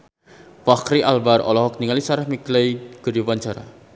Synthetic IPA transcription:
fakɾiʔalbaɾɔ̰lɔɦɔk̚niŋalisaɾahmiklajɡ̥əɾiwaɲt͡ʃaɾa̰

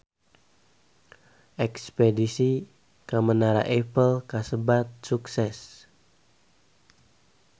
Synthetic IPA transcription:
ʔɛkspedisi | kamənaɾa̰ʔepəlkasəbat̪̚suksɛs

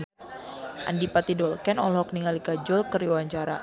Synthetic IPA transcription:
ʔa̰ndipat̪idɔlkɛnɔ̰lɦɔk̚niŋalikad͡ʒɔlkəriwaɲt͡ʃaɾa̰

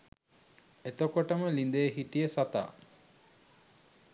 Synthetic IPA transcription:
et̪okoʈəməlind̪ejəɦiʈijəsat̪a̰ː

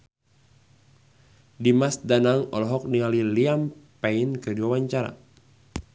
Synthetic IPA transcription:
dimasdanaŋɔ̰lɔɦɔk̚nialiliampainkəduawaɲt͡ʃaɾa̰

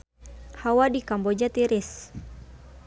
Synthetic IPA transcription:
hawadikambɔd͡ʒat̪iɾis

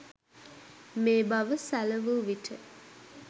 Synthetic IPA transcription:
meːbaʋəsæləʋuʋiʈʰə

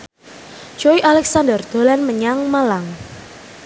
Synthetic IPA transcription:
d͡ʒ̥oiʔalɛksandərd̪̥o̤lanməɲaŋmalaŋ

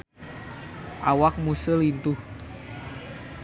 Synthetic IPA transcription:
ʔawak̚musəlint̪u

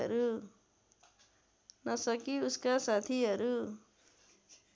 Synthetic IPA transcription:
ʌ̰ɾu | nʌsʌkiuskasat̪ʰiɦʌɾu

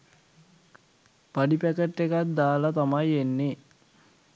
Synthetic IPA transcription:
paɖipækeʈːekat̪̚d̪aːlɐt̪amɐjenːe

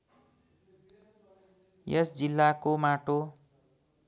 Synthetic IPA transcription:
jʌsd͡zilːakomaʈo

